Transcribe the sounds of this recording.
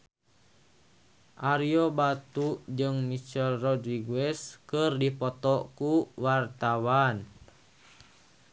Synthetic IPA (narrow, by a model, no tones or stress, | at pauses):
ʔaɾiobat̪ud͡ʒɨŋmit͡ʃɛlrɔdɾiɡɛskərdipɔt̪ɔkuwart̪awan